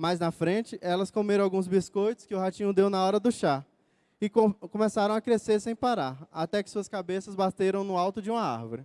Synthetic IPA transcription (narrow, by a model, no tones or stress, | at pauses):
majznɐfɾẽnt͡ʃɪʔɛlɐskomeɾɐ̃awɡũzbiskojt̪ʊ̥skɪʊɦat͡ʃĩɲʊd̪ewnɐɔɾɐd̪ʊʃa | ɪkokõmesaɾɐ̃w̃akɾeseɾsẽj̃paɾaɾat̪ɛkɪ̥suɐskabesɐzbat̪eɾɐ̃w̃nʊawt̪ʊd͡ʒɪũmɐa̰ɾvʊɾɪ